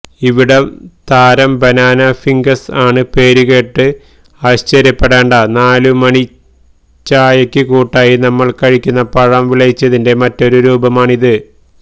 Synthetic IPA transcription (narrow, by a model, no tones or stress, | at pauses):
iʋiɽɐmt̪aːɾɐmbɐnaːnɐfiŋɡɐsaːɳɨpe̞ːɾuɣe̞ːʈːɨ | ɐʋɐɕt͡ɕɐɾjɐpːeɽeːɳɖɐnaːlumɐɳi | t͡ɕːaːjɐkʲːɨkuːʈːaːjinɐmːɐɭkɐɻikʲːunːɐpɐɻɐmʋiɭɐjit͡ɕːɐðinde̞mɐtːo̞ɾuɾuːbɐmaːɳiðɨ